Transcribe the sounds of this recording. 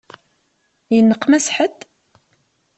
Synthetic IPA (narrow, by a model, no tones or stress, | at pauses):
jənːəqːmæsħət̪